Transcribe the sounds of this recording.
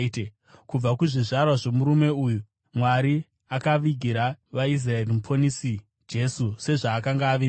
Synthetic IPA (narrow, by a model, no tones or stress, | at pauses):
e | kub͡vakuʐiʐarwaʐe̞muɾume̞uju | mwaɾi | akaʋiɡʱiɾaʋais̬rae̞rimupʰonisi | d͡ʒe̞suse̞ʐaːkaŋɡaːʋi